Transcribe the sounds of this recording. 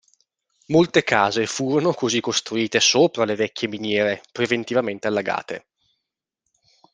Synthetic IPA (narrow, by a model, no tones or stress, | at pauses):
molt̪ekaːzefuːɾonokozikːost̪ɾuiːt̪esoːpɾalevɛkʲːeminjɛːɾepɾevent̪ivament̪ealːaɡa̰ːt̪ḛ